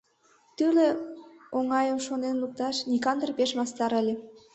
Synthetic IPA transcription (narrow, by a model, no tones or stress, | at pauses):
t̪yleoŋɑjəmʃonenluk̚t̪ɑʃnʲikɑnd̪ərpeʃmɑst̪ɑɾəlʲe